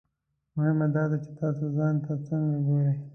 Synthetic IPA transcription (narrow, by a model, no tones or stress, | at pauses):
mʊhɪmad̪ɑd̪at͡ʃe̥t̪ɑːsozɑnt̪at͡səŋɡaɡoɾe